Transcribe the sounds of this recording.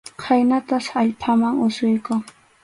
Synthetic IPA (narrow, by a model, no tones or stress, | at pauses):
kʰajnat̪asaʎpʰamaŋʊsʊjkʊŋ